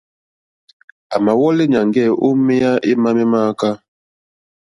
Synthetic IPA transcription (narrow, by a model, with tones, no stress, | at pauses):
a˨ma˨wɔ˦le˦ɲa˨ŋɡɛ˦˨ʔo˦mɛ˦ja˦ʔe˦ma˦mɛ˦maː˦ka˦